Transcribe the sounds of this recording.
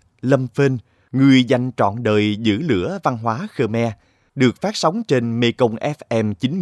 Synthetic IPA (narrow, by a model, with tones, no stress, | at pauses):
lə˧mfe˧n | ŋɨ˨˩əjza˧˩jŋ̟t͡ɕɔ̰˧˨nɗəː˨˩jzɨ̰˧˥lɨ̰˧˥əva˧nɦwaː˨˦xəː˧mɛ˧ | ɗɨ˨˩ək̚faː˦˥t̚sa˨˦wŋ͡mt͡ɕe˧nme˧kə˧wŋ͡mʔɛ˦˥fʔɛ˧mt͡ɕï˨˦ŋ̟